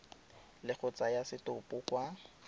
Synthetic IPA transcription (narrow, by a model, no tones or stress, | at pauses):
lɪk͡xʊt͡sʼajasɪtʊpʼʊkwa